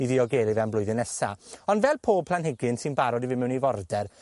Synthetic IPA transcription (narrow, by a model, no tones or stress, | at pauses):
iðɪɔɡeːlˠivɛnmblˠʊɨðɪnɛsa̰ɔnvɛlˠpʰoːb̥̚ʰlanɦɪɡɪnsɪnbaɾɔdivɪmɛwnivɔrdɛr